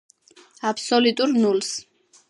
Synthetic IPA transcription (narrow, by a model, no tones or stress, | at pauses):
apʰsɔlut̪ʼuɾnuls